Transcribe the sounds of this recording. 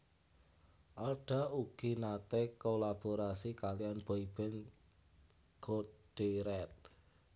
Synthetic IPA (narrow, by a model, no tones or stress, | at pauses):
ʔarɖ̥a̤uɡ̥i̤nat̪ekolab̥oɾasikalijanb̥ɔib̥ɛŋ | ɡ̥oɖ̥eɾɛt̪̚